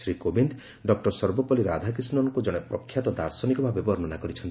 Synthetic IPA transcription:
sɾikobind̪ | ɖɔk̚ʈɔɾsɔɾbɔpɔliɾad̪ʱak̬isnɔŋkud͡ʒɔɽ̃epɾɔkʰːjat̪ɔd̪aɾsɔnikɔbʱabebɔɾnɔnakɔɾit͡ʃʰɔnt̪i

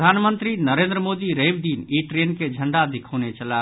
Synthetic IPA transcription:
d̪ʱanmənt̪ɾinəɾend̪ɾəmod̪iɾebd̪iniʈɾenked͡ʒʱəɳɖad̪ikʰənet͡ʃəla

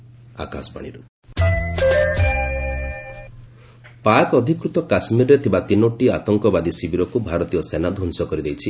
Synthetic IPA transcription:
a̰ka̰sɔ̥pa̰ɽ̃iɾu | pakɔd̪ʱikɾut̪ɔkasmiɾɔɾet̪ʰibat̪inoʈiat̪ɔŋkɔbad̪isibiɾɔkubʱaɾɔt̪ijɔsenad̪ʱɔnsɔkɔɾid̪ejt͡ʃʰi

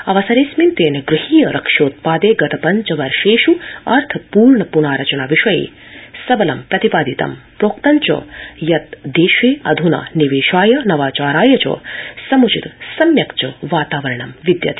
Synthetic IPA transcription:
ɐʋɐsɐɾeːsmint̪eːnɐɡɾɪhiːjɐɾɐkʂoːt̪̚paːd̪eːɡɐt̪ɐpɐɲt͡ʃɐʋɐɾʂeːʃuɐɾt̪ʰɐpuːɾɳɐpunaːɾɐt͡ʃɐnaːʋiʃɐjḛː | sɐbɐlɐmpɾɐt̪ipaːd̪it̪ɐ̰mpɾoːkt̪ɐɲt͡ʃɐ̰jɐt̪d̪eːʃeːɐd̪ʱuna̰niʋeːʃaːjɐnɐʋaːt͡ʃaːɾaːjɐt͡ʃɐ̰sɐmut͡ʃit̪sɐmjɐkt͡ʃɐʋaːt̪aːʋɐɾɐɳɐmʋid̪jɐ̰t̪i̥

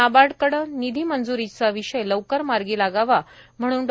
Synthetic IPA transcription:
abaɽkəɽənid̪ʱiːmənd͡zuɾit͡saʋiɕəjləwkəɾmaɾɡiːlaɡaʋam̤əɽ̃uːn

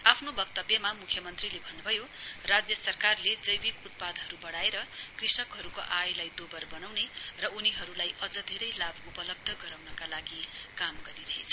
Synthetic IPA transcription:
apʰnobʌk̚t̪ʌbjʌmamukʰjʌmʌnt̪rilebʱʌnːubʱʌjorad͡zjʌsʌrkarled͡zʌjbikut̪̚pad̪ʱɦʌɾubʌɽaeɾʌkrisʌkɦʌɾukoʔajlajd̪obʌrbʌnawnerʌuniɦʌɾulajʔʌd͡zʌd̪ʱeɾʌjlabupʌlʌb̚d̪ʱʌɡʌɾawnʌkalaɡikamɡʌɾiɾʌɦḛt͡sʰʌ̥

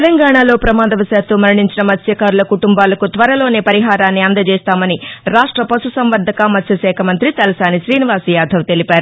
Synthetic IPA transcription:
tlɐŋɡaːɳaːlo̞ːpɾɐmaːd̪ɐʋɐsaːt̪umɐɾiɳiɲt͡ʃinɐmɐt̪ʰjɐkaːɾulɐkuʈumbaːlɐkut̪ʋɐɾɐlo̞ːne̞ːpɐɾiɦaːɾaːnːiɐnd̪ɐt͡ʃɛːst̪aːmɐniɾaːʂʈɾɐpɐsusɐmʋɐɾd̪ʱɐkɐmɐt̪ʰjɐʃɛːkʰɐmɐnt̪ɾit̪ɐlɐsaːniʃɾiːniʋaːsjaːd̪ʱɐʋt̪e̞lipaːɾu

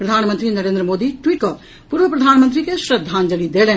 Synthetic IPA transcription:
pɾɐd̪ʱaːnmə̃nt̪ɾinɐɾẽːnd̪ɾəmoːd̪iʈwiːʈ̚kɐ | puːɾʋəpɾɐd̪ʱaːnmə̃nt̪ɾikeʃɾɐd̪ʱːaːnd͡ʒəlid̪eːlẽː

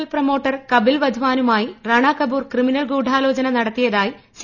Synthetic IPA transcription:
lprɐmo̞ːʈːɐrkɐbilʋɐd̪ʱuʋaːnumaːjirɐɳaːkɐbuːrkriminɐlɡuːɖʱaːlo̞ːd͡ʑɐnɐnɐɽɐt̪ːijɐðaːji | s

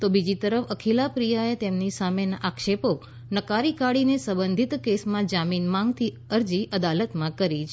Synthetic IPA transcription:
t̪obid͡ʒit̪əɾəfəkʰilapɾijaet̪emnisamenaʔakʃepo | nəkaɾikaɽinesəbənd̪ʱit̪kesmãd͡ʒaminmãŋɡt̪ʰi | əɾd͡ʒiʔəd̪alət̪mãkəɾit͡ʃ

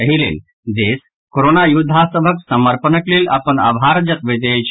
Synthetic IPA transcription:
əɦilḛl | d͡zes | koɾonajud̪ʱasəbʱəksəməɾpənəkleːla̰pəɳa̰ʋɦaɾd͡ʑəkʋid̪et͡ɕ

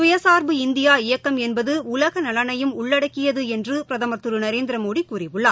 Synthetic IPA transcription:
sʊjɐsaːɾbɯɪnd̪ɪjaːɪjɐkːɐmɛnbɐðɯʊlɐɣɐnɐlɐnɐjɯmʊɭːɐɽɐkːɪjɐðɯɛndrɯppɪɾɐðɐmɐt̪ːɯɾɯnɐɾeːnd̪ɪɾɐmoːɽikuːrɪʋɯɭːaː

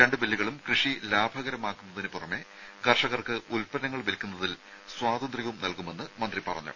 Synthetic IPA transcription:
ɾɐɳɖɨbilːiɣɐɭumkrɨʂilaːbʱɐɣɐɾɐmaːkːunːɐðinɨpurɐme̞ | ɡɐrʂɐɣɐrkɨʔulpɐnɐŋːɐɭʋelkʲːunːɐðil | swaːd̪ɐnd̪riʋumnɐlkume̞nːɨmɐnd̪ripɐrɐ̰ɲːṵ

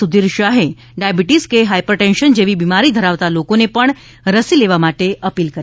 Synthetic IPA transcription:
ud̪iɾʃaɦẽ | ɖajbiʈiskeɦajpɾəʈenʃənd͡ʒeʋibimaɾid̪ʱəɾaʋt̪alokonepəɳ | ɾəsileʋamaʈeʔəpilkəɾ

